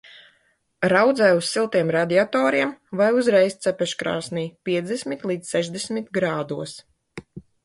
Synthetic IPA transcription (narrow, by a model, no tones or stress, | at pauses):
ɾawd̪zɛjussilˠt̪iɛmɾad̪iat̪ɔːɾiɛmvajuzɾɛjst̪sɛpʲɛʃkɾa̰ːsniːpʲiɛd̪esmit̪lˠiːd̪ssɛʒd̪ɛsmʲit̪ɡɾaːd̪uɔs